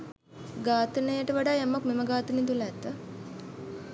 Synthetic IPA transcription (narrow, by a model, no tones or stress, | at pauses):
ɡaːt̪ənəjəʈəʋaɖaːamakmeməɡaːt̪ənit̪uləɛt̪ːə